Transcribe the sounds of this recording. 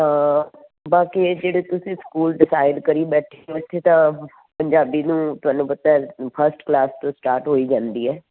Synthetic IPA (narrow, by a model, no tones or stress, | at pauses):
baːkid͡ʒeːɽeːt̪ʊsĩːskuːlɖɪsaːɪɖkəɾiːbɛːʈʰeʊt̪ʰːet̪ãː | pəɲd͡ʒaːbiːnũːt̪ʊaːnũːpət̪aɛpʰəɾsʈklaːst̪õːsʈaːɾʈɦoːiːd͡ʒãːnd̪iːɛː